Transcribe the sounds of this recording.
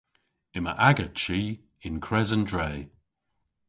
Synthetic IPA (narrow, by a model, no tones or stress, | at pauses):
ɪmə̰ʔaɡət͡ʃiː | ɪnkʰɹɛzəndɹeː